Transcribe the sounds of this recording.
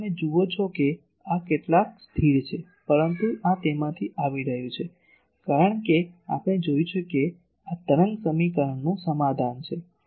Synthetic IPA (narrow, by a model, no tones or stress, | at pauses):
ned͡ʒuot͡ʃʰoke | akeʈlakst̪ʰiɾt͡ʃʰe | pəɾənt̪uʔãt̪emãt̪ʰiʔaʋiɾəɦjũt͡ʃʰe | kaɾəɳkea̰pɽ̃ed͡ʒojt͡ʃʰeke | at̪əɾəŋsəmikəɾəɳːũsəmad̪ʱant͡ʃʰe